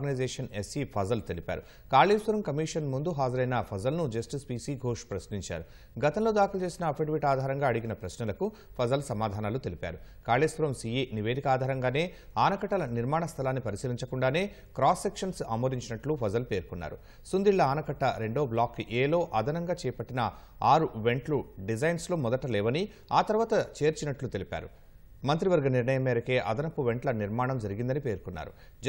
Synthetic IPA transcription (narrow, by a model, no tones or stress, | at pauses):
ɡɐnɐjd͡ʒeːʂɐnesipʰɐzɐlt̪e̞lipa̰ːɾu | kaːliːsʋɐɾɐmkɐmiːʂɐnmund̪uɦaːd͡ʒɐɾɐjnɐpʰɐzɐlnud͡ʒɐsʈispiːsiɡʱoːʂʈpɾɐsniɲt͡ʃa̰ːɾu | ɡɐt̪ɐmlo̞ːd̪aːkʰilɐt͡ʃeːsinɐːpʰeʈʋiʈaːd̪ʱaːɾɐŋɡaːɐɽiɡinɐpɾɐsnɐlɐku | pʰɐzɐlsɐmaːd̪ʱaːnaːlut̪e̞lipa̰ːɾukaːliːsʋɐɾɐmsieːniʋe̞ːd̪ikɐaːd̪ʱaːɾɐŋɡaːne̞ː | aːnɐkɐʈːɐlɐniɾmaːɳɐst̪ʰɐlaːnːipɐɾisɐɾiɲt͡ʃɐkuɳɖaːne̞ː | kɾaːsːe̞kʂɐnsamoːɾiɲt͡ʃinɐʈlupʰɐzɐlpe̞ːɾukunːa̰ːɾu | sund̪iɭːɐaːnɐkɐʈːɐɾe̞ɳɖo̞ːblaːkːʔeːlo̞ːʔɐd̪ʱɐnɐŋɡaːt͡ʃɛːjɐpɐʈːinɐ | aːɾuʋe̞ɳʈluɖid͡ʒɐjnsloːmɔd̪ɐʈɐlɛːʋɐni | aːt̪ɐɾʋaːt̪ɐt͡ʃe̞ːɾt͡ʃinɐʈlut̪e̞lipa̰ːɾu | mɐnt̪ɾiʋɐɾɡɐniɾɳɐjɐmɛːɾɐke̞ːʔɐd̪ɐnɐpːuʋe̞ɳʈlɐniɾmaːɳɐmd͡ʒɐɾiɡind̪ɐnipe̞ːɾkunːa̰ːɾṵ | d͡ʒ